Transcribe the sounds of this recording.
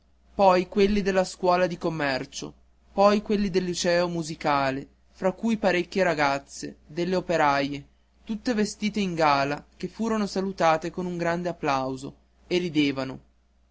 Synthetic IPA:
pɔjkwelːid̪elːaskwɔːlad̪ikomːɛrt͡ʃo̰ | pɔjkwelːid̪elːut͡ʃɛːomuzikaːle | fɾakːujpaɾekʲːjeɾaɡat̪sːḛd̪elːeopeɾaje | t̪ut̪ːevest̪iːt̪eiŋɡaːlakefːuːɾonosalut̪aːt̪ekonuŋɡɾand̪eapːlawzo̰ | erːid̪eːvano

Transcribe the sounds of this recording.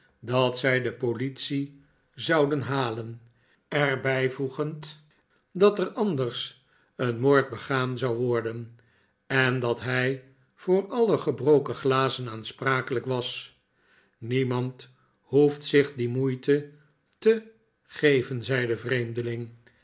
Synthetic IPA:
dɑtsɛjdəpolitsi | zɑwdənɦaːlən | ɛɹbɛjvuχənt | dɑtərɑndərs | ənmoːɹt̚bəχaːmzɑwʋɔɹdən | ɛndɑtɦɛj | v̥ʊːɹɑləχəbrowkəχlaːzənaːnspraːkələkʋɑs | nimɑnt | huftsɪχdimujtə | tə | χejvənzɛjdəvrejmdəlɪŋ

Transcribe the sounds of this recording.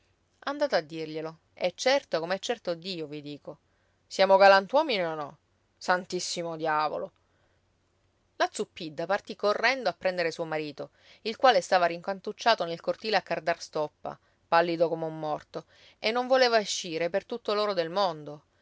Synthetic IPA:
and̪aːt̪oad̪ːirʎelo | ɛt͡ʃːɛrt̪okomɛt͡ʃːɛrt̪od̪iːovid̪iːko | sjaːmoɡalant̪wɔːmineonɔ | sant̪isːimod̪jaːvo̰lo | lat̪supːid̪ːapart̪ikːorːɛnd̪oapːɾɛnd̪eɾesuːomaɾiːt̪o | ilkwaːlest̪aːvaɾiŋkant̪ut͡ʃːaːt̪onelkort̪iːleakːard̪arst̪ɔpːa̰ | palːid̪okomeumːɔrt̪o | enːoɱvoleːvaeʃːiːɾepert̪ut̪ːoloːɾod̪elmond̪o

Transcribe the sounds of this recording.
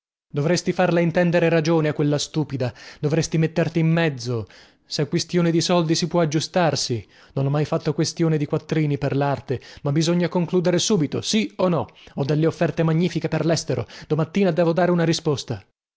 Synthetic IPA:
d̪ovɾest̪ifarlaint̪ɛnd̪eɾeɾad͡ʒoːneakːwelːast̪uːpid̪ad̪ovɾest̪imet̪ːert̪iːmːɛd̪zːo | seakwest̪joːned̪isɔld̪isipwɔad͡ʒːust̪arsi | nonɔmːajfat̪ːokwest̪joːned̪ikwat̪ːɾiːniperlart̪emabːizoɲːakoŋkluːd̪eɾesuːbit̪o̰sionːɔɔd̪ːelːeofːɛrt̪emaɲːiːfikeperlɛst̪eɾo̰d̪omat̪ːiːnad̪ɛːvod̪aːɾeunaɾispost̪a

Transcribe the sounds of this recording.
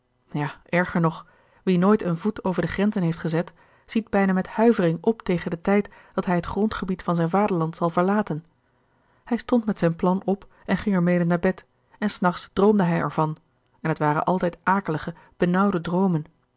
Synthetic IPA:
jaːɛɹχəɹnɔχ | ʋinoːjtənvutowvəɹdəχrɛnzənɦejftχəzɛt | z̥id̚bɛjnaːmɛthœɥvərɪŋɔptejχəndətɛjtd̥ɑtɦɛjɦətχrɔntχəbitfɑnzɛjnvaːdəɹlɑntsɑlˠvəɹlaːtən | hɛjstɔntmɛtsɛjnplɑnɔp | ɛnχɪŋɛɹmejdənaːɹbɛt | ɛnsnɑχtsd̥rowmdəɦɛjɛ̰ɹvɑn | ɛnɦətʋaːɾə̰nʔɑlˠtɛjtʔaːkələχə | b̥ənɑwdədrowmən

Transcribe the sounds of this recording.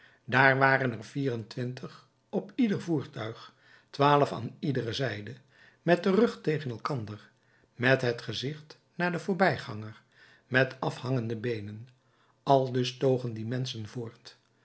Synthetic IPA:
daːɹʋaːrənɛrviːrəntʋɪntʰəχ | ɔpidəɹvuːɹtœɥχ | tʋaːləfa̰ːnidərəzɛjdə | mɛt̚dərɵχtejχənɛlˠkɑndəɹ | mɛtɦətχəzɪχt | naːɹdəvʊːɹbɛjχɑŋəɹ | mɛtɑfhɑŋəndəbejnən | ɑlˠdɵstowχəndimɛnsənvʊːɹt

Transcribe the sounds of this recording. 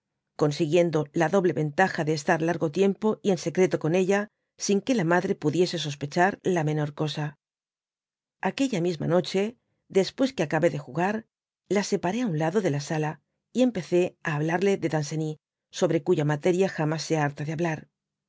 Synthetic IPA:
ko̞nsiɣje̞nd̪o̞laðo̞βle̞βe̞nt̪axaðeːst̪aɾlaɾɣo̞t̪je̞mpo̞ie̞nse̞kɾe̞t̪o̞ko̞ne̞ʎa | siŋke̞lamaðɾe̞puðje̞se̞s̬o̞spe̞t͡ʃaɾlame̞no̞ɾko̞sa | ake̞ʎamizma̰no̞t͡ʃe̞ | ðe̞spwe̞skeakaβe̞ðe̞xuɣaɾ | lase̞paɾe̞aunlaðo̞ðe̞lasala | ie̞mpe̞θe̞aːβlaɾle̞ðe̞ðanse̞ni | so̞βɾe̞kuʝamat̪e̞ɾjaxamasːeaaɾt̪aðeaβlaɾ

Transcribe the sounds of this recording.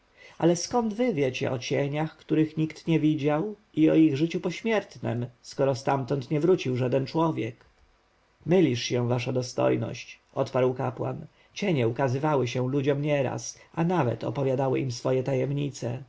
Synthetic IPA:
a̰lɛskɔnd̪vɘvʲjɛt͡ɕɛ̰ʔɔt͡ɕeɲaxkt̪uɾɘxɲikt̪ɲɛvʲid͡ʑaw | iɔiɣʐɘt͡ɕupɔɕmʲjɛɾt̪nɛ̰mskɔɾɔst̪amt̪ɔnt̪ɲɛvɾut͡ɕiwʐad̪ɛnt͡ʂwɔvʲjɛk | mɘlʲiʂɕɛ̃w̃vaʂad̪ɔst̪ɔ̰jnɔ̰ɕt͡ɕ | ɔt̪paɾwkapwa̰n | t͡ɕɛɲɛukazɘvawɘɕɛ̃lud͡ʑɔmɲɛɾa̰sanavɛ̰t̪ɔ̰pɔvʲjad̪awɘ̰ʔimsfɔjɛt̪ajɛmɲit̪sɛ

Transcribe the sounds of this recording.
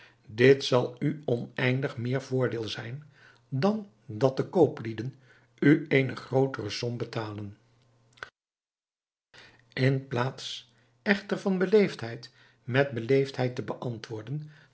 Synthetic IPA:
dɪtsɑlˠyɔnɛjndəχmɪːɹvʊːɹdɪːlˠzɛjn | dɑn | dɑt̚dəkowplidən | yeːjnəχrowtərəsɔmbətaːlən | ɪnplaːts | ɛχtəɹvɑnbəlejftɦɛjt | mɛd̚bəlejftɦɛjtəbəʔɑntʋʊːɹdən

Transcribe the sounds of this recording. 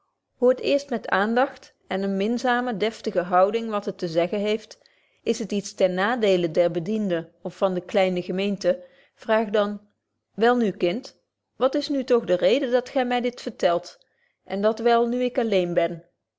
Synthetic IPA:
hʊətɪːɹstmɛtaːndɑχt | ɛnənmɪnzaːmədɛftəɣəɦɑwdɪŋʋɑtɦətəzɛχənɦejft | ɪsɦətitstɛnnaːdejlədɛɹbədindəɔfːɑndəklɛjnəχəmejntə | v̥raːχdɑn | ʋɛlˠnykɪnt | ʋɑtɪsnytɔχdərejdədɑtχɛjmɛjdɪtfəɹtɛlˠt | ʔɛndɑtʋɛlˠnyɪkɑlejnbɛn

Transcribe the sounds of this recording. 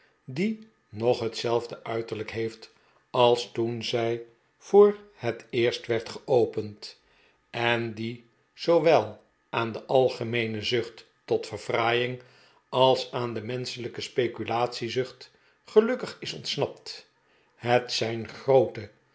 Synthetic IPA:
di | nɔχɦətsɛlˠvdəʔœɥtəɹləkɦejft | ɑlˠstunzɛj | v̥ʊːɹhətɪːɹstʋɛɹtχəʔowpənt | ɛndi | z̥owʋɛlˠ | aːndəʔɑlˠχəmejnəzʏχtː | ɔtfəɹvraːjɪŋ | ɑlˠsaːndəmɛnsələkəspejkylaːtsizɵχt | χəlɵkəχɪsɔntsnɑp̚t | ɦətsɛjnχrowtə

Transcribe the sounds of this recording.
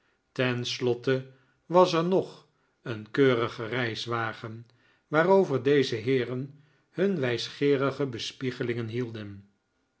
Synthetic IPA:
tɛnslɔtə | ʋɑsɛɹnɔχ | ənkøːrəχərɛjsʋaːχən | ʋaːrowvəɹdejzəɦɪːrən | hɵnʋɛjsχɪːrəχəbəspiχəlɪŋənɦilˠdən

